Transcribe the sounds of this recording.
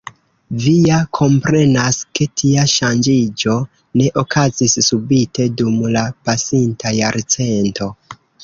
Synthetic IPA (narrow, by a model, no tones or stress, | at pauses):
vijakʰo̞mpɾe̞naske̞tʰiaʃand͡ʒid͡ʒo̞ | ne̞ʔo̞kʰazisːubite̞dumlapasintʰajaɾt͡se̞nto̞